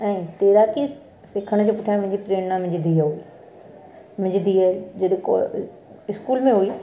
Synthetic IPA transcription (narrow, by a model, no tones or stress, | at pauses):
ɛ̃ːt̪eːɾaki | sɪkʰəɽ̃d͡ʑʰeːpʊʈʰjãmʊ̃ɦɪ̃ɲd͡ʑipɾeːɽnãmɪ̃d͡ʑɪd̪ʱiaɦui | mɪ̃d͡ʑɪd̪ʱiad͡ʑɐɗko̰ | ɪskuːlmẽɦuiː